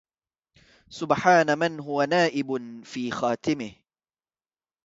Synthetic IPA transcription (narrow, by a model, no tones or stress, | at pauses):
sʊbħaːnamɪnɦʊwanaːʔɪbfiːxaːt̪ɪmɪh